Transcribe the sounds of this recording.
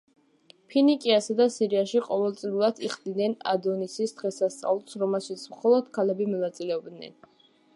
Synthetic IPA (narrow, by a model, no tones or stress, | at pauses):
pʰinikʼiasad̪asiɾiaʃiqʼɔvɛlˠt̪sʼiulˠad̪̥iχd̪inɛna̰d̪ɔnisisd̪̥ʁɛsast̪sʼa̰vlˠsɾɔmɛlˠʃit̪sʰmχɔlˠɔd̪̥kʰalɛbimɔnat̪sʼilɛɔbd̪nɛ̰n